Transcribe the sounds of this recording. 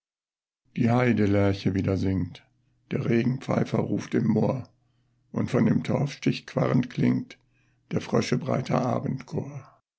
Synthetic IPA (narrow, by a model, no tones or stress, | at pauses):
d̥iːhaɪdəlɛɐçəviːdɐzɪŋt | d̥eːɐʁeːɡŋ̩p͡fa̰ɪfɐʁuːftɪmːoːɐ | ʔʊntfɔndeːmtʰɔɐfʃtɪçkv̥a̰ʁəntklɪŋt | d̥eːɐfʁ̥œʃəbʁa̰ɪtʰɐ̰ʔa̰ːbn̩tkʰoːɐ